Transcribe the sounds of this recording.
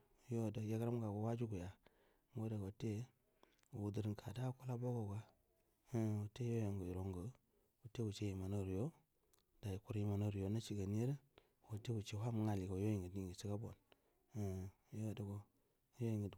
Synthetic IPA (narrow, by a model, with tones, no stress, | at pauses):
jo˦˨da˨ja˦kɾa˦m˦ɡa˨ɡo˨wa˦d͡ʒu˦ɡu˨ja˨ | ŋ˦ɡo˦da˨ɡo˨te˦ | u˨wu˨di˨ɾkʰa˨da˦ku˦la˦bo˦ɡo˨ɡa˦ | wo˨te˦jo˦jo˨ŋɡo˨i˨ɾo˨ŋɡə˨˦ | u˨te˦u˨t͡ʃe˦ji˨ma˨no˦˨ɾjo˦ | da˨i˨ku˨ɾji˦ma˨no˦ɾjo˨˦na˦t͡ʃi˨ɡa˨ni˦e˦ɾe˦˨ | wo˨te˦u˨t͡ʃe˦˨wa˦mu˨˦ŋa˨li˨ɡo˨jo˦ji˨ŋɡə˨di˨ŋɡi˨si˦ka˦bo̰˨n˦˨˦ | jo˦˨da˨ɡo˨ | jo˦ji˨ŋɡə˨d